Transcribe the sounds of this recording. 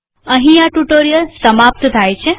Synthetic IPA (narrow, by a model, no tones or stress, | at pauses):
əɦĩaʈuʈoɾijəlsəmap̚t̪t̪ʰajt͡ʃʰe